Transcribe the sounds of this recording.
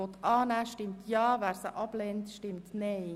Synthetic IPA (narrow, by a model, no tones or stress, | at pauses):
ɔt̪ɑːnæʃtɪmt̪ʰjɑːʋæːɾsə̰ʔɑb̥lɛnt̪ʃtɪmt̪nɛɪ